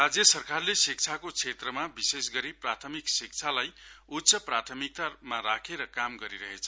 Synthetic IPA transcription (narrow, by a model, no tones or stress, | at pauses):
rad͡zjʌsʌrkarlesik̚t͡sʰakot͡sʰet̪rʌmabisesɡʌɾiprat̪ʰʌmiksik̚t͡sʰalajut̪sʰʌprat̪ʰʌmik̚t̪amaɾakʰeɾʌkamɡʌɾiɾʌɦet͡sʰʌ